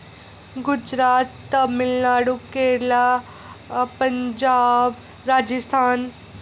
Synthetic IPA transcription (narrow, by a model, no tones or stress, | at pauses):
ɡʊd͡ʒɾaːt̪ːmɪlnaːɽukeːla | pɐɲd͡ʒaːb | ɾaːd͡ʒəst̪ʰaːn